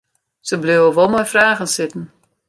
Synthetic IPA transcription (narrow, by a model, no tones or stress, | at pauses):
səblɪəwəʋɔlˠmɔjfraːɣənsɪtən̩